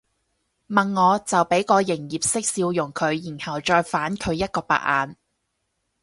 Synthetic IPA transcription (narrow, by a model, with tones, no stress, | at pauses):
mɐ˨nŋɔː˨˧t͡sɐ˨wpe˨˥jkɔː˨˧jɪ˨˩ŋjiː˨p̚sɪ˥k̚siː˧wjʊ˨˩ŋkʰɵ˨˧ɥjiː˨˩nhɐ˨˩wt͡ʃɔː˧jfaː˨˥nkʰɵ˨˧ɥjɐ˥t̚kɔː˧pa̰ː˧˩ʔa̰ː˨˧n